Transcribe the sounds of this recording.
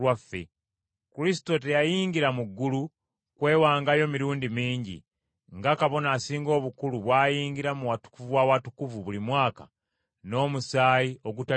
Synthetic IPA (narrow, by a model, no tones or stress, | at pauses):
wafːe̞̰ | kuɾisi̥to̞te̞jajiːɲɡiɾamuɡːulu | kwe̞ːwaːŋɡajo̞miɾuːndimiːɲɟḭ | ŋɡakaβo̞naːsiːŋɡo̞ːβukuluβwaːjiːŋɡiɾamuwatu̥kuvuwawatukuvuβulimwaːka̰ | no̞ːmusaːjio̞ɡuta